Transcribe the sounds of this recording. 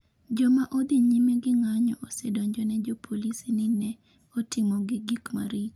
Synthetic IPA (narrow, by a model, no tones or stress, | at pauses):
d͡ʒɔmaʔod̪ɪɲimeɡɪŋaɲɔ̰ʔosɛdɔɲd͡ʒɔnɛd͡ʒɔpʰolisinɪnɛ | ɔtɪmɔɡɪɡikma̰ɾit͡ʃ